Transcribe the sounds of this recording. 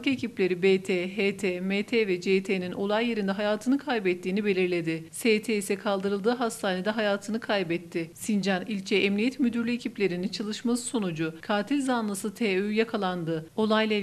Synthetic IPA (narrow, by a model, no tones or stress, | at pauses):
ke̞cʰiplʲe̞ɾibeːt̪ʰeɦet̪ʰemet̪ʰevɛd͡ʒeːt̪ʰeninʔo̞lˠajːe̞ɾind̪ɛɦajaːt̪ʰɯnɯkʰajbɛt̪ʰːiːnibe̞lʲiɾlʲe̞d̪ɪseːt̪ʰeisɛkʰalˠd̪ɯɾɯlˠd̪ɯːɦast̪ʰaːne̞d̪ɛɦajaːt̪ʰɯnɯkʰajbɛt̪ʰːɪsind͡ʒanilʲt͡ʃʰɛɛmnijɛt̪myd̪yɾlʲyecʰiplʲe̞ɾinit͡ʃʰalˠɯʃmasɯ̥so̞nud͡ʒukʰaːt̪ʰilʲzanlˠɯsɯt̪ʰeːøjakʰalˠand̪ɯo̞lˠajlʲˠa